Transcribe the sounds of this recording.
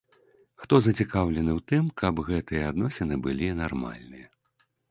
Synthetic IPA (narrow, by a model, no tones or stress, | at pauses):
xt̪ɔzɐt͡sʲikawlʲɛnɨwt̪ɨmkɐbɣɛt̪ɨjɛad̪nɔsʲɛnɨbɨlʲinarma̰lʲnɨjɐ